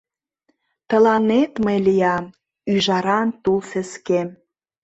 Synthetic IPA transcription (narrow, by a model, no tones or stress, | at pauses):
t̪ə̆lɑnet̪məjlijɑm | yʒɑɾɑnt̪ulfə̆skem